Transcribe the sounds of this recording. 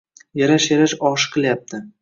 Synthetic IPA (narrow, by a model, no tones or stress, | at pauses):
jaɾaʃjaɾaʃɒʃqʰɨlˠjap̚t̪ʰɪ